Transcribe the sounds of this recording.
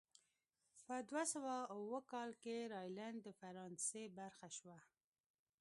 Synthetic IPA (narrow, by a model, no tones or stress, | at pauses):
pəd̪wasawawəkɑlkeɾɑjland̪d̪əfaɾɑnsebaɾxaʃwa